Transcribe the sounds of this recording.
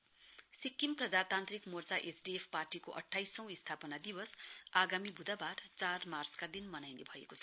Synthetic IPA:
sikːimprʌd͡zat̪ant̪rikmort͡saʔesɖiepʰparʈikoʔʌ̰ʈʰːajsʌ̃w̃ist̪ʰapʌnad̪ibʌsaɡamibʱud̪abart͡sarmart͡skad̪inmʌnajnebʱʌḛkot͡sʰʌ̥

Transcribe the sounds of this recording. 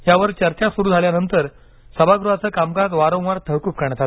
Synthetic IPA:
jaʋəɾt͡ɕəɾt͡ɕasuɾuːd͡zʱaljanənt̪əɾ | səbʱaɡɾuɦat͡səːkamkat̪ʋaɾõw̃ʋaɾt̪ʰəɦkuːp̚kəɳ̃t̪ʰat̪

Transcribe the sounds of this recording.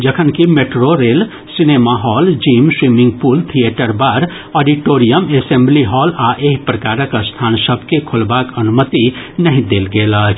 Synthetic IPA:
d͡ʒəkʰənkimeʈɾoɾel | sinemaɦɔld͡ʒimswimiŋɡ̚pult̪ʰieʈəɾbaɾ | ɔɖiʈoɾijəmesembliɦɔlaʔeɦipɾəkaɾəkst̪ʰansəbʱkekʰolbakənumət̪inəɦĩd̪elɡeləɦt͡ʃʰ

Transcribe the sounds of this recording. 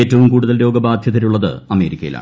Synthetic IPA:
eːtːɐʋumkuːɽuðɐlɾo̞ːɡɐbaːd̪ʱjɐt̪iɾuɭːɐðɨ̰ɐme̞ːɾikʲːɐjḭla̰

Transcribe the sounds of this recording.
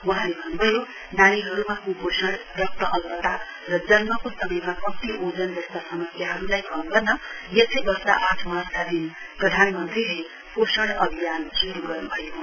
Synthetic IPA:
wʌɦãlebʱʌnubʱʌjo | nañiɦʌɾumakuposʌɽ | ɖʌk̚t̪ʌʔʌlpʌt̪a | rʌd͡zʌnmʌkosʌmʌjmakʌt̪iʔod͡zʌnd͡zʌst̪asʌmʌsjaɦʌɾulajkʌmɡʌrnʌjesʰʌjbʌsa̰ʔaʈʰmʌɦrt̪ʰad̪in | prʌd̪ʱanmʌnt̪riɦe | posʌɽ̃ʌbʱijansuɾuɡʌrnubʱʌjoɦo

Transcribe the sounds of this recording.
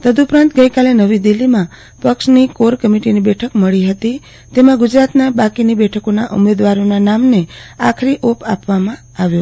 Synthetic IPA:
t̪əd̪uːpɾãnt̪ɡəikalenəʋid̪ilːimã | pəkʃnikoɾkəmiʈinibɛʈʰəkməɭiɦət̪i | t̪emãɡud͡ʒɾat̪nabakinibɛʈʰəkonaʔṵmed̪ʋaɾonanamnea̰kʰɾiʔopa̰pʋamã | aʋju

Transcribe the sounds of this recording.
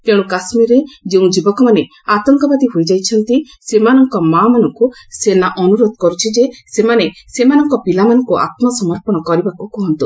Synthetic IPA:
t̪ẽũkasmiɾed͡ʒeũd͡ʒibɔkɔmane | at̪ɔŋkɔbad̪iɦojd͡ʒajt͡ʃʰɔnt̪i | semanɔŋkɔmamanɔŋkusenaʔɔnuɾod̪ɔkɔɾut͡ʃʰid͡ʒesemanesemanɔŋkɔpilamanɔŋkuʔa̰t̪mɔsɔmɔɾpɔɽ̃ɔkɔɾibakukɔɦɔnt̪u

